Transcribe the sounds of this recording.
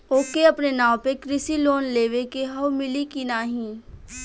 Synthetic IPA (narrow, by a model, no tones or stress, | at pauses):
oːkeɐpnenãːwpekɾɪsiloːnleːʋekeɦɐʋmɪlikinaːɦĩː